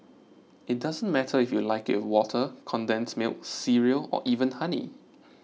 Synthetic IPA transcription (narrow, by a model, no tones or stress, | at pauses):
ɪt̚dazə̃nmɛtʰəɪfjulaɪkɪwɔtʰəkʰɔ̃ndɛ̃nsmɪ̰lsiɹiəlɔ̰ʔivə̃nhanḭ